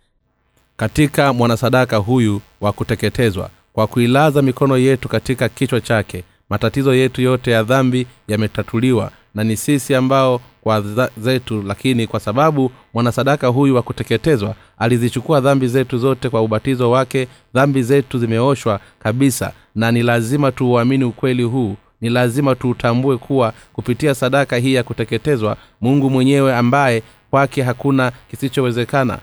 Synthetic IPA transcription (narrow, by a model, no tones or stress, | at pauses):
katikamwanasaɗakaɦuju | wakutɛkɛtɛzwa̰ | kwakuilazamikɔnɔjɛtukatikakit͡ʃwat͡ʃakɛ | matatizɔjɛtujɔtɛjaðambijamɛtatʰuliwa̰ | nanisisiambaɔ | kwazɛtulakinikwasaɓaɓumwanasaɗakaɦujuwakutɛkɛtɛzwa | alizit͡ʃukuaðambizɛtuzɔtɛkwauɓatizɔwakɛ | ðambizɛtuzimɛɔʃwa | kaɓisa̰ | nanilazimatuːaminiukwɛliɦuː | nilazimatutʰambuɛkʰuwakupitiasaɗakaɦiːjakutɛkɛtɛzwa̰ | muŋɡumwɛɲɛwɛambajɛ | kwakɛɦakunakisit͡ʃɔwɛzɛkana̰